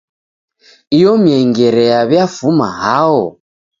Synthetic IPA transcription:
ijɔmjɛŋɡɛɾɛaβjafuma̰ɦaɔ

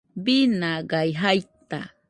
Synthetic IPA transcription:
binaɢajɦajt̪a̰

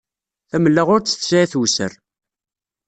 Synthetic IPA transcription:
θæməlːaʁʊɾt͡sːə̥θsaiθwsə̰ɾ

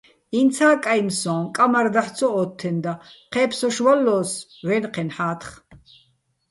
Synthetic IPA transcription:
int͡sʰaːkʼajmsɔ̃ːkʼamaɾd̪aħt͡sʰɔːt̪ʰːɛnd̪aqʰɛːpʰsɔʃvalːɔːsvɛnqʰɛnħaːt̪ʰχ

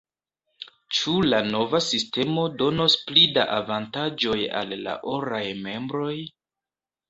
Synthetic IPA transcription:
t͡ʃulano̞vasiste̞mo̞do̞no̞splidaʔavantad͡ʒo̞ja̰lːa̰ʔoɾajme̞mbɾo̞j

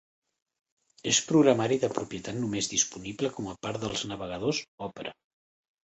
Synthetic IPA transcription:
espɾuɣɾəmaɾiðəpɾupjət̪at̪numezðispunibləkɔməpaɾðəlˠznəβəɣəð̞ozɔpəɾʔə̰

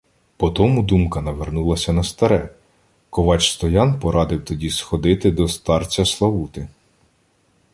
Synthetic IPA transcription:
pɔt̪ɔmud̪umkɐnɐʋernulˠɐsʲɐnɐst̪ɐɾɛ | kɔʋɑt͡ʃst̪ɔjɑnpɔɾʔɑd̪ɪwt̪ɔdʲisxɔd̪ɪt̪ɪd̪ɔst̪ɑrt͡sʲɐslˠɐwut̪ɪ

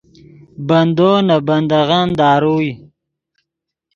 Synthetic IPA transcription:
bɐnd̪onabɐnd̪aɣand̪ɑːɾuj

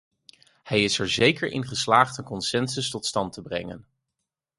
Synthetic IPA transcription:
hɛjɪsɛɹzejkəɹʔɪ̰nχəslaːχtənkɔnsɛnsɵstɔtstɑntəbrɛ̰ŋə̰n

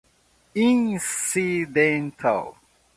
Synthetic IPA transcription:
ĩnsidɛ̃ntʰa̰l

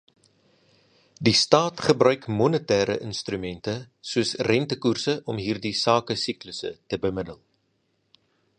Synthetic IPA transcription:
distɑːtχəbrœɥkmɔnətæːɾə̰ʔənstɾymɛntə | suəsrɛntəkursəʔɔmɦiːrdisɑːkəsikləsə̰təbəmədəlˠ

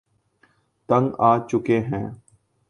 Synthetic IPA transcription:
t̪ə̃ŋɡaːt͡ʃʊkeɦɛ̰̃ː

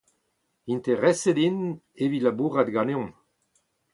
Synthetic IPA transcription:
int̪eʁɛsed̪in | evilabuʁat̪ɡaneɔ̃m

